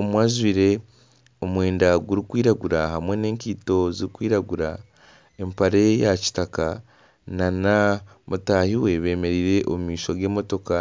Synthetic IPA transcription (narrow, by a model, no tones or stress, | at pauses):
omwaːzβiɾe̞ | omwe̞ːndaɡuɾikwiːɾaɡuɾaɦamwe̞ne̞ːɲciːto̞ziɾikwiːɾaɡuɾa | empaɾe̞jaci̥taka | nana | mutahiwe̞βe̞ːme̞ɾiːɾe̞ʔo̰mumiːʃo̞ɡe̞ːmo̞to̞ka